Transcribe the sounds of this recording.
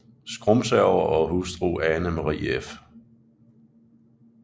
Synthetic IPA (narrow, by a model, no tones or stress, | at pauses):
sɡ̥ʁɔmsæʊɐʔɒ̽ɦusd̥ʁuːɛnəmɑʁḭːef